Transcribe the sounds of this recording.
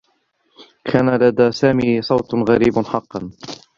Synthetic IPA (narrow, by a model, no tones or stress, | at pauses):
kʰaːnalad̪aːsaːmiːsˤɑwt̪ɣaɾiːbħɑqːɑn